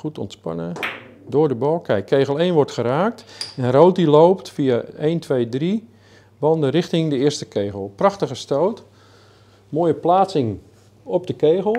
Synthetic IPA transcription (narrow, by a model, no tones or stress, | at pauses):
χutɔ̰ntspɑ̰nə | dʊːrdəbɔlˠkɛjkʰːejɣəlˠeːnʋɔrtχəɾaːk̚tɛnroːt̚dilowptfiaeːntʋeːdri | ʋɑndərɪxtɪŋdəɪərstəkʰeːɣəlˠpraxtəɣəstowt | moːjəplaːtsɪŋ | ɔp̚dəkeːɣəlˠ